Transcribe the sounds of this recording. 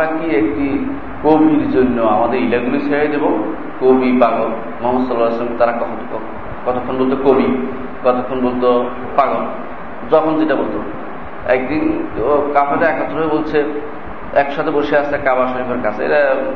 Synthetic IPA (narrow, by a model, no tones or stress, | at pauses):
akiekʈi | kobʱiɾd͡ʑonːoamad̪eɾilaɡulit͡ɕʰeɾajd̪ebo | kobʱipaɡol | mɔɦmot̪sɔlːalasɔmt̪aɾakɔ | kɔt̪ʰokʰːonbolt̪̬okobi | ɡɔt̪okʰːonbolt̪o | paɡon | d͡ʑɔkʰond͡ʑeʈabolt̪o | ɛk̚d̪inkapʰaʈaɛkɔt̪ːoɾɦoebolt͡ɕʰe | ɛkʃat̪ʰeboʃieasekabaʃoɾikʰoɾkat͡ɕʰeḛɾa